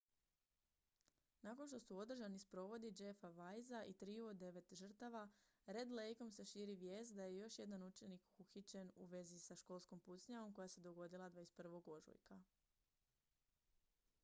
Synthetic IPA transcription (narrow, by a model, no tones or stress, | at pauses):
nako̞nʃt̪o̞suo̞d̪r̩ʒanispɾo̞ʋo̞d̪id͡ʒe̞faʋajzaʔit̪ɾiuod̪e̞ʋe̞t̪ʒr̩t̪aʋa | ɾe̞d̪le̞jko̞mseʃiːɾiʋje̞ːst̪d̪aje̞jo̞ʃje̞d̪anut͡ʃe̞nikuxit͡ɕe̞nuʋe̞zisaʃko̞ːlˠsko̞mput̪sɲao̞mko̞jase̞d̪o̞ɡo̞d̪ilˠad̪ʋaespr̩ʋo̞ɡo̞ʒṵjka